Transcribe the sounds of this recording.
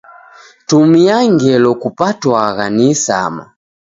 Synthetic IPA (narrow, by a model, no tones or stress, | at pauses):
tumiaŋɡɛlɔkupatwaɣanisa̰ma̰